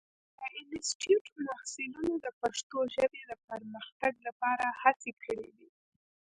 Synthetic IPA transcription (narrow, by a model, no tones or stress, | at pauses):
d̪əʔɪnɪsʈiuʈmahsɪlunod̪əpaʂt̪oʒəbed̪əpəɾməxt̪aɡlapɑɾahat͡sekʰəɽḛd̪i